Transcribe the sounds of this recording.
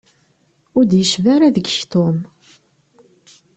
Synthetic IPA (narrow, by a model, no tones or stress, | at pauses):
ʊɾd̪jəʃvaɾæðəɡçt̪ʊm